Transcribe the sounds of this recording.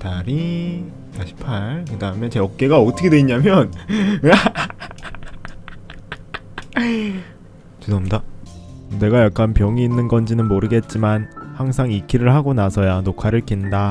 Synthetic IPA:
taɾi | taɕʰi̥pʰaɭkɯdaɦamjʌnt͡ɕe̞ʌk̚k͈e̞ɡaʌtʰʌkʰedweiɲamjʌna | t͡ɕidomda | ne̞ɡajak̚k͈anpjʌŋiːnːɯnɡʌnd͡ʑinɯnmoɾɯɡe̞t̚t͡ɕ͈imanhaŋsʰaŋikʰiɾɯɭɦaɡonasʰʌjanokʰaɾɯɭkinda

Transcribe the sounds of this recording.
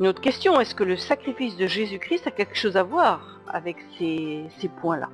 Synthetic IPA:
ynot̪χə̥kʲɛst̪jɔ̃ɛskələsakχifis̬d̪əʒezykχist̪akʲɛlkə̥ʃozavwaːʁ | a̰vɛksesepwɛ̃la̰

